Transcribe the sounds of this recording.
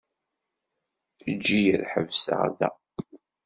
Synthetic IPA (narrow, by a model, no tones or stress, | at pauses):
əd͡ʒːijəɾħəvsə̰ʁðæ̰